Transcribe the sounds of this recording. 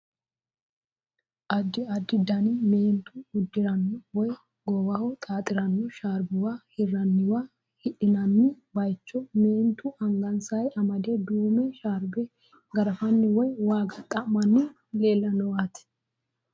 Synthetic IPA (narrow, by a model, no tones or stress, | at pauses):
ʔɐd̪ːɪɐd̪ːɪd̪ɐnɪmeːnt̪ʊʊd̪ːɪɾɐnːʊwɔj | ɡɔwɐhɔt̪ʼaːt̪ʼɪɾɐnːɔʃaːɾbɪwahɪrːɐnːɪwaː | hɪᶑɪnɐnːɪ | bɐjt͡ʃːɔmeːnt̪ʊʔɐŋɡɐnsɐjɐmɐd̪ɛd̪uːmɛʃaːɾbɛ | ɡɐɾɐfɐnːɪwɔjwaːɡɐt̪ʼɐmɐnːɪ | leːlːɐnɔwat̪ɪ̥